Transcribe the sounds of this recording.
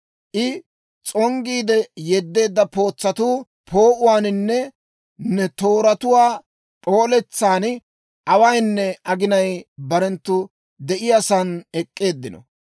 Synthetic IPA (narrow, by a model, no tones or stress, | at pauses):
ʔɪ | t͡sʼɔŋɡiːd̪ɛjɛd̪ːe̞ːd̪ːɐpo̞ːt͡sːɐt̪uː | pʰo̞ːʔʊwaːnɪnːɛ | nːɛt̪o̞ːɾɐt̪ʊwaː | pʼo̞ːlɛt͡sːaːn | ʔɐwɐjnːɛɐɡɪnɐjbɐɾɛnt̪ːʊ | d̪ɛʔɪjɐsɐnɛkʼːe̞ːd̪ːɪnɔ̰